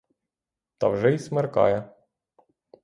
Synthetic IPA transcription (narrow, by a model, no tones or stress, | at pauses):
t̪ɑ̰wʒɛismerkɑ̰jɛ